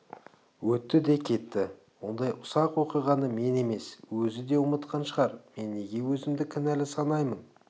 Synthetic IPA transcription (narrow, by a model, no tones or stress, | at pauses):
wɵt̪ːɪd̪e̞kʲʰe̞t̪ːɪ | wo̞nd̪ɑjʔʊsɑqwo̞qijʁɑnəme̞ne̞me̞swɵzɪd̪e̞ʊmət̪qʰɑnʃəʁɑɾme̞nːe̞ɡʲe̞wɵzɪmd̪ɪkʲʰɪnælɪsɑnɑjmən